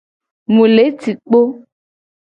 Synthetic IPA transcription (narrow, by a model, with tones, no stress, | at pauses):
mũ˨le˨˦ti˨k͡po˦